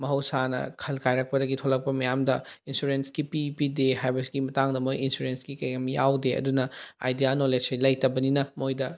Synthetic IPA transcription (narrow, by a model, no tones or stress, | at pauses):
mɐɦɐwsanɐ̰kʰɐlkʰajɾɐk̚pɐdɐɡitʰolɐk̚pɐmɐjamdɐinsuɾensɡipipideɦajbɐsɡimɐtaŋdɐmojinsuɾensɡikɐjɡɐmja̰wdeʔɐ̰dunɐa̰jdijanoled͡ʒɐjlɐjtɐbɐninɐmojdɐ